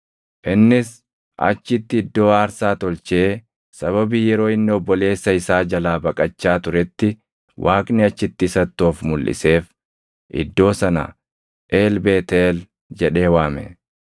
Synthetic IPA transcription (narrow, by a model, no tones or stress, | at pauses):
ʔɪnːɪs | ʔɐ̰t͡ʃːɪt̪ːɪːd̪ːo̞ːaːɾsaːt̪ɔlt͡ʃeː | sɐβɐbiːjɛɾo̞ːɪnːɪɔbːɔle̞ːsːɐɪsaːd͡ʒɐlaːbɐkʼɐt͡ʃːaːt̪ʊɾɛt̪ːɪ | wʔaːkʼnɪɐt͡ʃːɪt̪ːɪsɐt̪ːoːfmʊlːʔɪ̰se̞ːf | ʔɪ̰d̪ːo̞ːsɐnɐ̰ | ʔe̞ːlbe̞ːt̪eːl | d͡ʒɛᶑe̞ːwaːmɛ̰